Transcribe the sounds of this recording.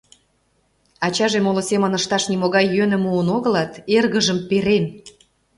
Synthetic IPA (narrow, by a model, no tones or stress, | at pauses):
ɑt͡ɕɑʒemolosemə̆nəʃt̪ɑʃnimoɣɑjːønə̆muənoɣə̆lɑt̪erɣə̆ʒə̆mpeɾen